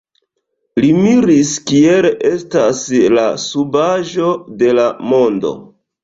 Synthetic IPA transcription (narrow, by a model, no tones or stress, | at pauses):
limiɾiskie̞le̞stasla̰subaʒo̞de̞lamo̞ndo̞̰